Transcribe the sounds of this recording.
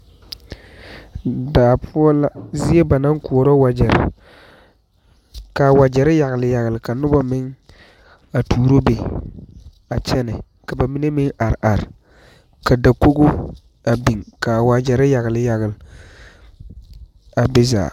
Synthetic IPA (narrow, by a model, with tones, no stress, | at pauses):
daː˨pʰʊ˦ɔ˦la˦zɪ˦e˦ba˨na˦ŋkʊ˨ɔ˨ɾɔ˦wa˨d͡ʒɛ˨ɾɪ̰˨ | ka˨wa˨d͡ʒɛ˨ɾɪ˦ja˨ɣɪ˨lɪ˨ja˨ɣɪ˨lɪ˨ka˨nʊ˦ba˦mɪ˦ŋ | a˨tuː˨ɾo˦be˨ | a˨t͡ʃɛ˦nɪ̰˨ | ka˨ba˨mi˦ne˦mɪ˦ŋʔa˨ɾʔa˨ɾɪ˨ | ka˨da˨ko˦ɡo˦ | a˨bi˨ŋka˨wa˨d͡ʒɛ˨ɾɪ˦ja˨ɣɪ˨lɪ˨ja˨ɣɪ˨l | a˨bɪ˦za̰ː˨